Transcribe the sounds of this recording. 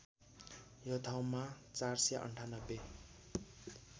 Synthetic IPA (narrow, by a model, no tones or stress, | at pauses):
jot̪ʰawmat͡sarsjʔʌ̰ɳʈʰanʌbːe